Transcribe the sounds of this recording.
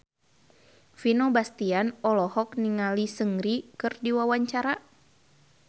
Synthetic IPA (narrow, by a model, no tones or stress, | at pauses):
finɔbast̪ianɔlɔhɔk̚niŋalisəŋɾikɨrdiwawaɲt͡ʃaɾa